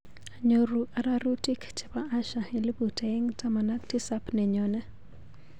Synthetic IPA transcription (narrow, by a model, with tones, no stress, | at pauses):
a˨ɲo˨ɾu˨ʔa˨ɾa˦ɾu˦ti˦kt͡ʃɛ̥˨pa˦ʔa˦ʃa˨ɪ˨lɪ˦bu˨ta˨e˦ŋta˦ma˨na˦kti˦sa˦pnɛ˨ɲɔ˨nɛ˦